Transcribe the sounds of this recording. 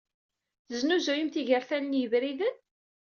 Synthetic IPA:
θəznuzujimθiʝəɾθænənjəvɾiðən

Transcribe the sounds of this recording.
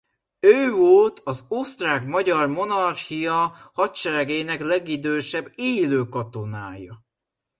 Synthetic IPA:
øːvolt̪ʰɒzost̪raːkmɒɟɒrmo̞nɒrxijɒhɒt̪t͡ʃɛɾɛɡeːnɛklɛɡid̪øːʃɛbːeːløːkɒt̪o̞naːjɒ

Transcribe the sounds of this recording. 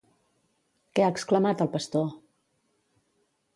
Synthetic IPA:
kɛaəkskləmat̪əlˠpəst̪o

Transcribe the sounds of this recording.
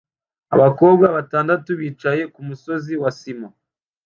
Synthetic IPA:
a̰βako̞ːbɡaβataːndatuβiːt͡ʃaje̞kumuso̞ziwasima

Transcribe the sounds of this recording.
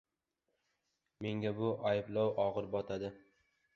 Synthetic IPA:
me̞ŋɡʲabʊʔajɪblɒwʔɒʁɨɾbɒt̪ʰad̪ɪ

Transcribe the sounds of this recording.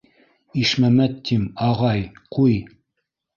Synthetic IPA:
iʃmæmæt̪ːimɑʁɑjquj

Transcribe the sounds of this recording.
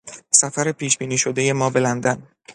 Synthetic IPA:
sæfæɾepʰiːʃb̥iːniːʃo̞d̪e̞je̞mɒːbe̞lænd̪æn

